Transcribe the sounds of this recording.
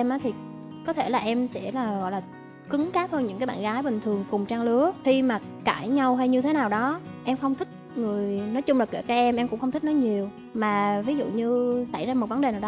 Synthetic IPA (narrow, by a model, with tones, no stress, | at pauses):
ɛ˧mʔaː˨˦t̪ʰi˨˩ | kɔ˨˦t̪ʰe˧˩laː˨˩ʔɛ˧msɛ̰˧˥laː˨˩ɣɔ̰˧˨laː˨˩ | kɨ˨˦ŋkaː˦˥p̚həː˧nɲɨ̰˧˥ŋkaː˨˦jɓaː˧˨nɣaː˨˦jɓï˨˩ŋ̟t̪ʰɨ˨˩əŋkʊ˨˩ŋ͡mt͡ɕaː˧ŋlɨ˨˦əxi˧maː˨˩ | kaː˧˩jɲa˧wɦa˧jɲɨ˧t̪ʰe˨˦naː˨˩wɗɔ˨˦ʔɛ˧mxə˧wŋ͡mt̪ʰï˦˥k̚ŋɨ˨˩əjnɔ˨˦jt͡ɕʊ˧ŋ͡mlaː˨˩ke˧˩kaː˨˦˥ʔɛ˧mʔɛ˧mkʊ̰˧˥ŋ͡mxə˧wŋ͡m̪t̪ï˦˥nɔ˨˦ɲi˨˩əw | maː˨˩vi˨˦zṵ˧˨ɲɨ˧sa˧˩jzaː˧mo˨˩t̚və˨˦nɗe˨˩naː˨˩wɗ